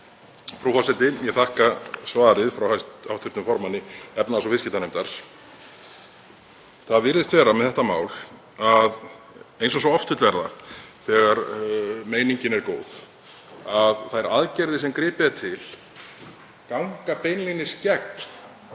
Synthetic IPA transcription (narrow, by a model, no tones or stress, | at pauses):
fɾufalsɛt̪ɪjɛtθahkasvaːðɾɪðfɾawhast̪awht̪ʰʏpt̪nʏmfɔɾmanːɪɛpnaasɔfɪscɪt̪anejmt̪aɾ̥ | θaðvɪɾðɪst̪vɛːɾamɛðθɛht̪amaːwl | að | ejnsɔsɔɣɔft̪ʰvɪ̥ht̪vɛɾða̰θɛɣaɾmeːjniɲcɪnɛɾkoːwð̥ | aðθajɾaðcɛɾðɪsɛmkɾɪːpɪat̪ʰɪl̥ | kawŋkapejnlɪnɪscɛkn